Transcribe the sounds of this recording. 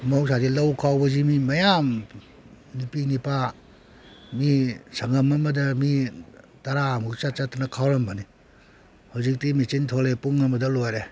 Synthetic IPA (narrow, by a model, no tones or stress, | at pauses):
mawsʰadilɐwkʰawbɐzimimɐjam | nipinipa | misaŋɐmɐmɐdɐmi | taɾamut͡ʃat͡ʃatʰanɐkʰawɾambani | hawzik̚timit͡ʃintʰɔlepuŋɐmɐdɐlojɾe